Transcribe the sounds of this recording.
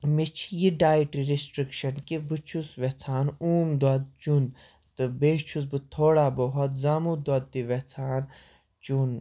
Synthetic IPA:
mit͡ʃʰjiɖaːjʈiɾisʈɾikʃɐnkibɨt͡ʃʰusʋet͡sʰaːnuːmd̪wɐd̪̚t͡ʃun | t̪ɨbeːt͡ʃʰus̬bɨt̪ʰoːɽabɔɦɔt̪zaːmud̪ɐd̪̚d̪iʋet͡sʰaːn | t͡ʃun

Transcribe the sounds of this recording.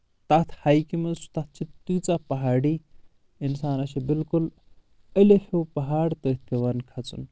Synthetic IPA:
t̪ɐt̪ʰhajkimɐsu̥t̪ɐt̪̚ʰt͡ʃʰit̪ut͡sapɐɦaːɽiː | insaːnɐʃibilkul | əlefopɐɦaːɽt̪ət̪̚ʰkeʋɐnkʰɐt͡sṵn

